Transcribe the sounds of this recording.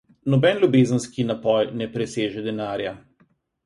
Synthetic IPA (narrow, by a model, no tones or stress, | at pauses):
nɔbɛnlʲubeːzənskinapɔjnɛpɾɛseːʒɛd̪ɛnaːɾja